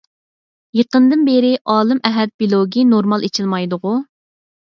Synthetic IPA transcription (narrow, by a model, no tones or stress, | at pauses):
jəqənd̪ɨnbeɾɪʔɑːlˠɨmɛɦɛd̪̚bilˠoɡʲinoɾmɑlˠet͡ʃʰilˠmɑjd̪ʊʁʊ